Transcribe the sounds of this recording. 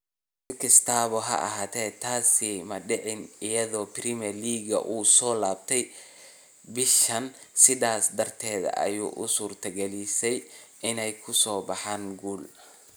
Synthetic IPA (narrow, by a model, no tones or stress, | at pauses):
ɪkʰɪst̪ʰaːβɔɦɐ̰ʔɐ̰ɦaːt̪ʰɛːt̪ʰaːsɪmɐɖɪʕɪnɪjɐðɔːprimɛrliːɡɐ̰ʔuːsɔːlaːb̚t̪ʰɛj | bɪʃɐn | sɪðaːsd̪ɐrt̪ʰɛːðɐ̰ʔɐ̰jṵːʔʊ̰suːrt̪ʰɐɡɛlɪsɛjʔɪnɛjkʰʊsɔːbɑħaːŋɡuːl